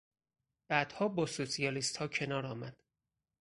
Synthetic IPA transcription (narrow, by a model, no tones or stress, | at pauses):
b̥æd̪̥hɒːbɒːsosijɒːlist̪hɒːcʰe̞nɒːɾɒːmæd̪̥